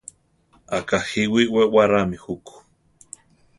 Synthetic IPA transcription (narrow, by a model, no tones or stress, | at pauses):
akahiwiwewaɾamihuku̥